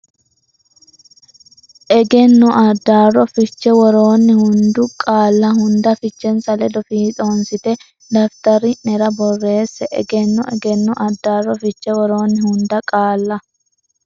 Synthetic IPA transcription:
ʔɛɡɛnːɔʔɐd̪ːaːrɔfɪt͡ʃːɛwɔɾoːnːɪhʊnd̪ʊkʼaːlːɐhʊnd̪ɐfɪt͡ʃːɛnsɐlɛd̪ɔfiːt͡sʼo̞ːnsɪt̪ɛ | d̪ɐft̪ɐɾɪnɛɾɐbɔrːe̞ːsːɛʔɛ̰ɡɛnːɔʔɛɡɛnːɔʔɐd̪ːaːrːɔfɪt͡ʃːɛwɔɾo̞ːnːɪhʊnd̪ɐkʼaːlːɐ

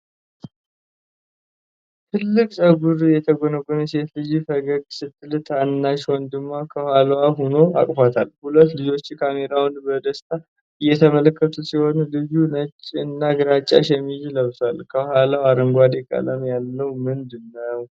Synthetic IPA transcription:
t̪ʰɨlːɨkʼt͡ʃʼəɡuɾjɛt̪ʰəɡonəɡʼunjɛse̞t̪lɨd͡ʒifəɡəɡsɨt̪ːɨlt̪ʰanːaʃwɔnd̪ɨmːakʰəhalwaɦno̞a̰kʼfat̪ʰalhulət̪ːlɨd͡ʒo̞t͡ʃːkʰame̞ɾawnbəd̪əst̪ʰʼa | ɨjːɛt̪ʰəmələkːət̪ʰusiho̞nlɨjunət͡ʃʼːiɨnːaɡɨɾat͡ʃʼːa̰ʃɛmːizləβsalkʰəhalawaɾəŋɡʷad̪ekʼə̰ləmjalːəwmɨnd̪ɨnːəw

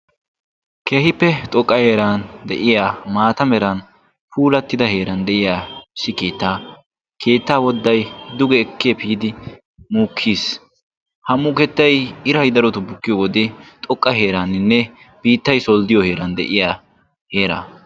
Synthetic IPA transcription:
keːhɪpːɛt̪ʼɔkʼːɐheːɾaːnd̪ɛʔɪjaːmaːt̪ɐmɛɾɐn | puːlɐt̪ːɪd̪ɐhe̞ːɾɐnd̪ɛʔɪjaːʃɪkeːt̪ːaː | kʰe̞ːt̪ːaːwɔd̪ːɐjd̪ʊɡɛːkːepiːd̪ɪ | muːkʰːiːs | hɐmuːkɛt̪ːɐjɪɾɐjd̪ɐɾɔt̪ʊbʊkːɪjowɔd̪ɛt̪ʼɔkʼːɐɦeːɾaːnɪnːɛ | b̥iːt̪ːɐjsɔld̪ɪjɔhe̞ːɾɐnd̪ɛ̰ʔɪjaː | he̞ːɾa̰ː

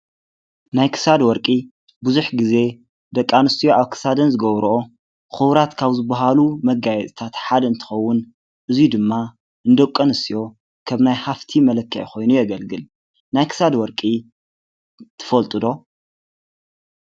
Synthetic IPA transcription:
najkʰɨ̥sad̪wɔɾkʼi | buzuħɡize̞ | d̪ɐkʼːanɨst̪ijo̞ʔaβkʰɨ̥sad̪ɐnzɨɡɐβɾʔo | xɨβɾat̪kʰaβzɨbːaɦalumɐɡajɛt̪ʼt̪ʰat̪ħad̪ɐɨnt̪ʰɨ̥xɐwːʊn | ʔɨzjud̪ɨmːa | ʔɨnd̪ɐkʼːɐnɨst̪ijo̞ | kʰɐβnajhaft̪ʰimɐlɐkʰːɐʕkʰo̞jnujɛɡɐlɡɨl | najkʰɨ̥sad̪wɔɾkʼi | t̪ʰɨ̥fɐlt̪ʼɨd̪o̞

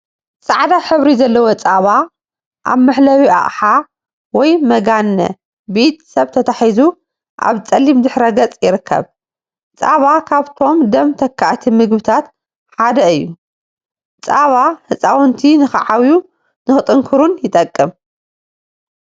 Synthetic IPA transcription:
t͡sʼaʕd̪aħɨβɾizɐlːɐwot͡sʼaβa | ʔa̰βmɨħlɐwiʔa̰ʔʼħa | wɔjmɐɡanːɐ̰ | bit̪ʼsɐβt̪ʰɐt̪ʰaħizu | ʔa̰βt͡sʼɐlːimd̪ɨħɾɐɡɐt͡sʼjɪɾɨkʰːɐ̰β | t͡sʼaβakʰaβt̪ʰo̞md̪ɐmt̪ʰɐkʰːaʔt̪ʰimɨɡbɨt̪ʰat̪ | ħad̪ɐɨjːu | t͡sʼaβahɨt͡sʼawnt̪ʰinɨxɨ̰ʕawju | nɨxɨt̪ʼɨŋkʰɨɾunjɪt̪ʼɐkʼːɨm

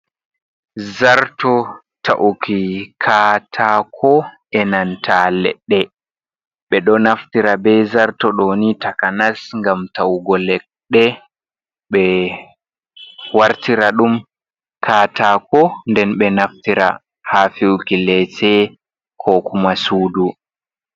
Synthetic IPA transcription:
zaɾtɔ | tʰa̰ʔukʰikʰaːtʰakʰɔʔɛnantʰalɛ̰ɗːɛ | ɓɛɗɔnaftiɾabɛzaɾtɔɗonitakanasŋɡamtawɡɔlɛɗːɛ | ɓɛ | waɾtiɾaɗum | kʰaːtaːkɔndɛnɓɛnaftiɾa̰ | hafiwkilɛtɛ | kʰɔkumasuːdu

